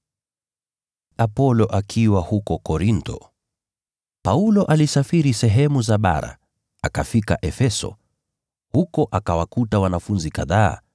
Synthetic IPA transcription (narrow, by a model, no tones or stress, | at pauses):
apɔlɔʔakʰiwahukɔkɔɾintɔ̰ | paulɔʔalisafiɾisɛɦɛmuzaɓa̰ɾa̰ | akafika̰ʔɛfɛsɔ̰ | hukɔʔakawakutawanafunzikaða̰ː